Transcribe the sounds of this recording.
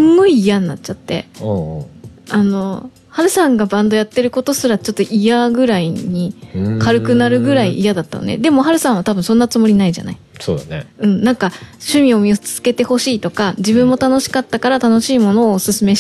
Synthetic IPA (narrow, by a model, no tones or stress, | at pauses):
ɨŋɡo̞iːjanːatt͡ɕat̪ːe̞̰ | ano̞ | haɾɯ̟sãŋɡabãnd̪o̞jat̪ːe̞ɾɯ̟ko̞t̪o̞sɨɾat͡ɕo̞t̪ːoʔijaɡɯ̟ɾaiɲ̟ikaɾɯ̟kɯ̟naɾɯ̟ɡɯ̟ɾaiʔijad̪at̪ːa̰nonḛd̪e̞mo̞ɦaɾɯ̟sãɰ̃βat̪abɯ̟ɰ̃sõ̞nːat͡sɨmo̞ɾʲinaiʑa̰na̰i | soːd̪neɯ̟̃ɴnãŋkaɕɨmʲio̞mʲiot͡sɨ̥z̥ɨ̥ke̞t̪e̞ho̞ɕiːt̪o̞kad͡ʑibɯ̟̃mːo̞t̪ano̞ɕi̥kat̪ːakaɾat̪ano̞ɕiːmo̞no̞ːsɨsɨme̞